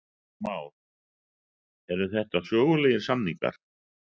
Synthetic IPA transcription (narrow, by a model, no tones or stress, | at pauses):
maːwɾ | ɛɾðʏθɛht̪asœːɣʏleːjɪɾ̥samniŋka̰ɾ̥